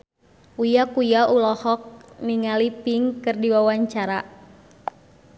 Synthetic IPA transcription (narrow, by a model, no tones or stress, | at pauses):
ujakujaʔulɔhɔk̚niŋalipiŋkɨrdiwawaɲt͡ʃaɾa